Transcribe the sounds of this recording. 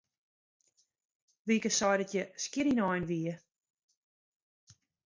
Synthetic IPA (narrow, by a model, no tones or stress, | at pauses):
ʋikəsɔjdətjəskɪɾinɔjnʋiə